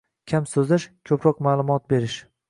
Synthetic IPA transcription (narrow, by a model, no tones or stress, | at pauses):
kʲʰamsɵzɪʃkʲʰɵpɾɒqmaːlˠʊmɒt̪̚be̞ɾɪʃ